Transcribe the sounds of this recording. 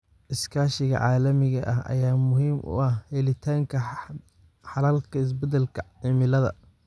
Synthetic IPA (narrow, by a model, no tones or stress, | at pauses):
ʔɪskʰaːʃɪɣɐ̰ʕaːlɐmɪɣɐʔɐhɐ̰jaːmʊɦiːmʔʊ̰ɐhhɛlɪt̪ʰaːŋkʰɐ | ħɑlaːlkʰɐɪs̬bɛd̪ɛlkʰɐʕɪmɪlɐðɐ̰